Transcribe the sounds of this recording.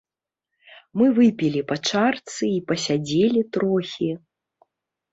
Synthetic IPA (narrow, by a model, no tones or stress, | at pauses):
mɨvɨpʲilʲipɐt͡ʂart̪sɨipɐsʲad͡zʲelʲit̪ɾɔxʲi